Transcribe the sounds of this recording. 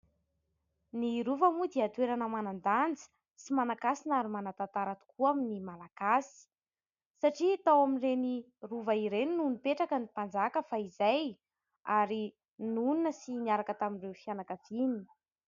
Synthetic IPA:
niɾuvamud̪eat̪weɾanəmanand̪and͡zi̥ | simanakasinaɾimanat̪at̪aɾat̪u̥kuaminimalaɡasi̥ | saʈ͡ʂit̪awaminreni | ruvaiɾeninunipeʈ͡ʂakənipand͡zakəfaizaj | aɾi | nununəsiniaɾakət̪aminrewfianakəv̥ini̥

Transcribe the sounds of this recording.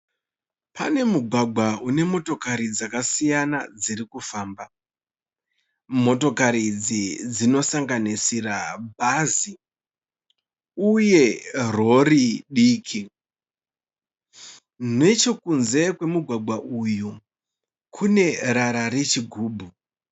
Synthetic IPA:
pa̰ne̞muɡʱwaɡʱwaune̞mo̞to̞kaɾid͡zakasijanad͡ziɾikufaːmba | mo̞to̞kaɾid͡zid͡zino̞saŋɡanisirabʱazi | uje̞ro̞riɗiːkʰi | ne̞t͡ʃo̞kunze̞kwe̞muɡʱwaɡʱwaʔuju | kʰune̞ɾaɾaɾe̞t͡ʃiɡʱuːbʱu

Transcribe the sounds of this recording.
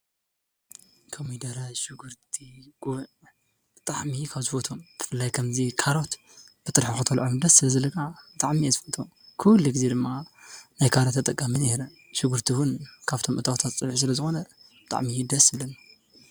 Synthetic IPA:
kʰomid̪ɐɾajʃuɡuɾt̪ʰiɡuβʕ | b̥ɨt̪ʼa̰ʕmikʰaβzɨfot̪ʰomt̪ʰɨ̥fɨlːajkʰɐmzikʰaɾo̞t̪ | b̥ɨt̪ʼɨɾħixɨt̪ʰɐlʕod̪ɐsːɨlɐzɐlɐkʰabɨt̪ʼaʕmiazɨfot̪ʰom | kʰulːuɡɨzed̪ɨmːanajkʰaɾot̪ʰːɐt̪ʼɐkʼːamineɾɐ | ʃɪɡuɾt̪ʰiwʊnkʰaβt̪ʰo̞mʔɨt̪ʰʼawt̪ʰat̪t͡sʼɨβħis̬ɨlɐzɨxo̞nɐ | bɨt̪ʼa̰ʕmijd̪ɐsɨβlɐn

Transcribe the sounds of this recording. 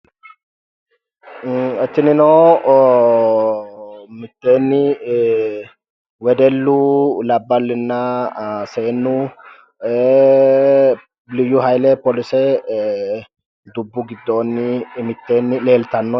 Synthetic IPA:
ɛt̪ːɪnɪnoː | mɪt̪ːe̞ːnːɪ | wɛd̪ɛlːʊlɐbːɐlːɪnːɐseːnːʊ | lɪjʊɦɐjlɛpɔlɪsɛ | d̪ʊbːʊɡɪd̪ːoːnːɪmɪt̪ːe̞ːnːɪle̞ːlt̪ɐnːɔ

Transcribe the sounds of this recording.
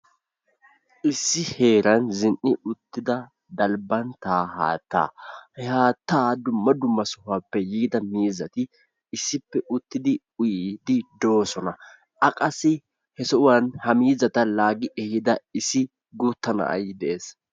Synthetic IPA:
ʔɪsːɪhe̞ːɾɐnzɪnʔɪʊt̪ːɪd̪ɐ | d̪ɐlbɐnt̪aːha̰ːt̪ːa̰ːhɛhaːt̪ːaːd̪ʊmːɐd̪ʊmːɐsʊhaːpːɛjiːd̪ɐmiːzɐt̪ɪː | sːɪpːɛʔʊt̪ːɪd̪ɪ | ʊjid̪ɪd̪o̞ːsɔnɐ | ʔɐkʼɐsɪ | hɛsɔʔʊwɐnhɐmiːzɐt̪ɐlaːɡɪʔɛhɪd̪ɐɪsːɪ | ɡut̪ːɐnɐ̰ʔɐ̰jd̪ɛʔeːs

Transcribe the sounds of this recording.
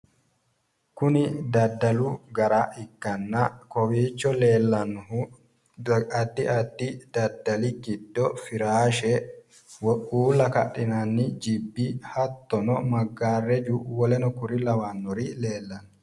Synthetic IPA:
kʊnɪd̪ɐd̪ːɐlʊɡɐɾaʔɪkːɐnːɐkɔwiːt͡ʃːɔle̞ːlːɐn | ɐd̪ːɪʔɐd̪ːɪd̪ɐd̪ːɐlɪɡɪd̪̥ːɔfɪɾaːʃɛ | wɔuːlɐkɐ̰ɗɪnɐnːɪd͡ʒɪbːihɐt̪ːɔnɔmɐɡːaːrɛd͡ʒuwɔlɛnɔkʊɾɪlɐwanːɔɾɪle̞ːlːɐnɔ

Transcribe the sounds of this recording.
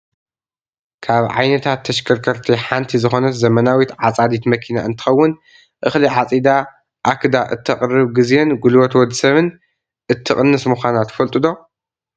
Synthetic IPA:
kʰaβʕa̰jnɐt̪ʰat̪ʰːɐʃkʰɐɾkʰɐɾt̪ʰiħant̪ʰizɨxo̞nɐt̪zɐmɐnawit̪ʕat͡sʼad̪it̪mɐkʰina̰ʔɨnt̪ʰɨ̥xɐwːʊn | ʔɨxliʕat͡sʼid̪a | ʔakɨd̪aʔɨt̪ʰːɐχʼrɨβɡɨzenɡulwɐt̪wɔd̪sɐβɨn | ʔɨt̪ʰːɨχʼɨnːɨsmɨxʷanat̪ʰːfɐlt̪ʼɨd̪o̞

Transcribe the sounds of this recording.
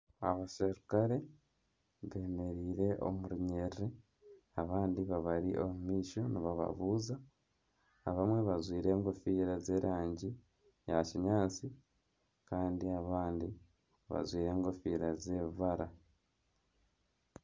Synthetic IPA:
a̰βaseɾukaɾe̞ | βe̞ne̞ɾiːɾe̞ʔo̞̰muɾuɲerre | aβaːndiβaβaɾiʔomumiːʃo̞niβaβa̰βuːzaː | βamwe̞βazwiːɾe̞ːŋɡo̞fiːɾaze̞ɾʔaːɲɟi | jaciɲaːt͡si | kaːndiaβaːndi | βa̰zwiːɾe̞ːŋɡofiːɾaze̞ːβvaɾa

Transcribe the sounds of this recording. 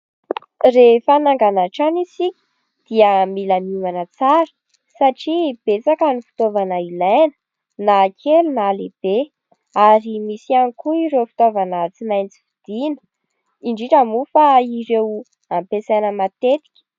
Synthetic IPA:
refanaŋɡanaʈ͡ʂanisikʲi̥ | d̪̥iəmilamumanət͡saɾə̥ | saʈ͡ʂib̥et͡sakanifi̥t̪ovanəilanə̥ | nakʰelunaleb̥e | aɾimisianikuiɾefi̥t̪ovanat͡simajnt͡si̥fid̪̥inə̥ | iɳɖ͡ʐiʈ͡ʂəmufaiɾew | ampesajnəmat̪et̪i̥kʲə̥

